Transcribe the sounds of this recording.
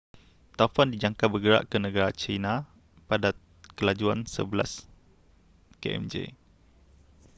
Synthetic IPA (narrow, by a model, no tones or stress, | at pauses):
t̪afandid͡ʒaŋkabəɡəɾa̰ʔkənə̃ɡaɾat͡ʃinã | pada | kəlad͡ʒuansə̰bəlas | kḛʔɛ̰md͡ʒḛ